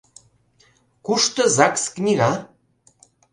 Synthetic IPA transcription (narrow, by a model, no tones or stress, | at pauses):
kuʃt̪ɤ̆zɑksknʲiɣɑ